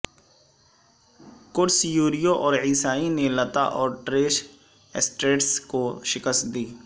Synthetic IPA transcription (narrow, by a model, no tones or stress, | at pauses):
kʊɾsjuːɾijoʔɔːɾʕiːsaːinelət̪a̰ʔɔːɾʈɾeːʃ | ɪsʈɾeːʈskoʃɪkəst̪̚d̪iː